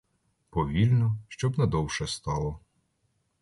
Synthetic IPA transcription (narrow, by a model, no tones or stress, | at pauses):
pɔʋʲilʲnɔʃt͡ʃɔbnɛd̪ɔwʃɛst̪ɑlˠɔ